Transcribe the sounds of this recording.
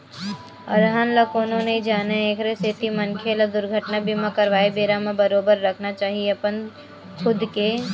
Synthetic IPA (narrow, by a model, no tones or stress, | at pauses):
ɐ̰ɾɦanlɐkoːnõneid͡ʒaːneeːkʰɾeseːt̪imɐnkʰeːlad̪ʊɾɡʱəʈnabʱimãkɐɾʋaːebeːɾamãbɐɾoːbəɾːɐkʰnat͡ʃaːɦieɐpən | kʰʊd̪ke